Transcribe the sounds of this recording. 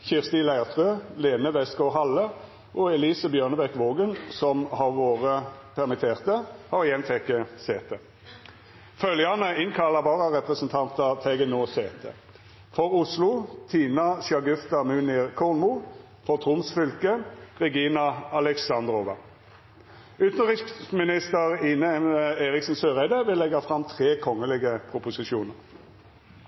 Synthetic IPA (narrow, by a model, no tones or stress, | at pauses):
çɪʁst̪iːlæɪɑʁt̪ʰʁøːleːnəʋɛskɔɦɑlə | ʔoːɛliːsəbjøːʁnəbɛkʋoːɡənsɔmhɑʁʋoːʁəpʰæʁmɪt̪ʰeːʁt̪əhɑːʁɪjɛnfɛkːəseːt̪ə | fœljɑnəɪnkʰɑlɑbɑːʁɑʁɛpʁəsənt̪ʰɑnt̪ət̪ʰɛɡənoːseːt̪ʰə̰ | fɔʁʊslʊt̪ʰiːnɑʃɑɡʉft̪ɑmʉːnɪʁkʰɔʁnmʊ | fɔʁt̪ʰʁʊmsfʏlkəʁɛɡiːnɑɑlɛksɑnd̪ʁoʋɑ | ʉt̪n̩ʁɪksmɪnɪst̪əʁɪnəeːʁɪksn̩søːʁæɪd̪əʋɪlːɛɡɑfʁɑmt̪ʰʁeːkʰɔŋəlɪɡəpʰʁʊpʊsɪʃuːnəʁ